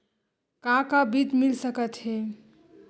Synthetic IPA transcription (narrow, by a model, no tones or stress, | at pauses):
kãkabid̪milsəkət̪ɦe